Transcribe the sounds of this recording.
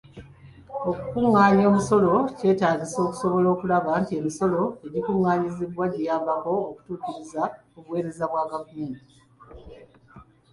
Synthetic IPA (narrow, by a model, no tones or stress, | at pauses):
o̞kukuŋːaːɲo̞ːmuso̞lo̞ce̞ːtaːɲɟiso̞ːku̥so̞βo̞lo̞ːkulaβantie̞miso̞lo̞e̞ɟikuŋːaːɲiziβwaɟijaβako̞ːku̥tuːciɾiza | uβwe̞ːɾe̞zaβwaːɡafueːni